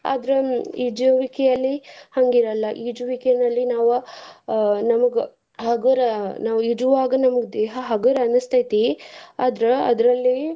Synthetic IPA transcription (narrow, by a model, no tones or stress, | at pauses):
a̰ːd̪ɾeid͡ʒɐʋikɛjɐlːihɐŋɡiɾɐlːɐʔid͡ʒuʋikɛɐnɐlːinaːʋu | nɐmɐɡɐ | ɦɐɡɐɾɐnaːʋuid͡ʒuʋaːɡɐnɐmɐɡed̪eːɦɐɦɐɡɐɾɐɐnɐst̪ɐjt̪iaːd̪ɾeɐ̰d̪ɾɐlːi